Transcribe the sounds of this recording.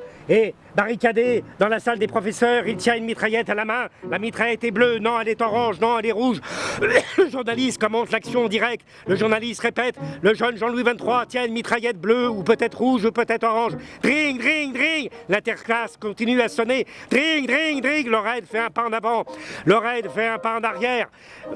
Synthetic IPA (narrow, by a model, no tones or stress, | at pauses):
e | baʁikʲad̪ed̪ɑ̃lasald̪epχɔfɛsœʁilt̪jɛ̃ynmit̪χajɛt̪alamɛ̃lamit̪χajɛt̪ɛblønɔ̃ɛlɛt̪ɔʁɑ̃ʒnɔ̃ɛlɛʁuʒ | ləʒuʁnalist̪̚kɔmɑ̃t̪laksjɔ̃ɑ̃d̪iʁɛk̚t̪ | ləʒuʁnalist̪ʁepɛt̪ləʒœnʒɑ̃lwivɛ̃nt̪χwat̪jɛ̃ynmit̪χajɛt̪̚bløupøt̪ɛt̪χʁuʒupøt̪ɛt̪χɔʁɑ̃ʒd̪̥ʁiɲd̪ʁiɲd̪ʁiɲlɛ̃t̪ɛʁklaskɔ̃t̪inyasɔned̪̥ʁiɲd̪ʁiɲd̪ʁiɲlɔʁɛd̪fɛɛ̃paɑ̃navɑ̃lɔʁɛd̪fɛɛ̃paɑ̃naʁjɛːʁ